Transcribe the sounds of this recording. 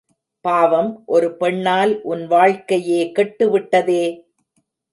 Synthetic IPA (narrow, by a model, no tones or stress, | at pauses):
paːʋɐmʔɔɾɯpɛɳːaːlʔʊnʋaːɻkɐjeːkɛʈːɯʋɪʈːɐðeː